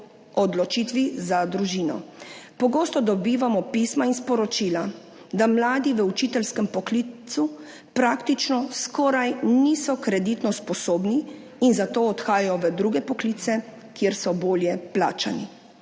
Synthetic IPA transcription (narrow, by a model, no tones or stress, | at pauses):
ɔd̪lɔt͡ʃiːt̪ʋizad̪ɾuʒiːnɔ̰pɔɡoːst̪ɔd̪ɔbiːʋamɔpiːsmainspɔɾɔt͡ʃiːla | d̪amlaːd̪iʋəut͡ʃiːt̪ɛlskɛmpɔklit̪su | pɾaːkt̪it͡ʃnɔskɔːɾajniːsɔkɾɛd̪it̪nɔspɔsoːbniː | nzat̪oːt̪xaːjajɔʋəd̪ɾuɡɛpɔkliːt̪sɛ | kjeɾsɔboːljɛpla̰ːt͡ʃani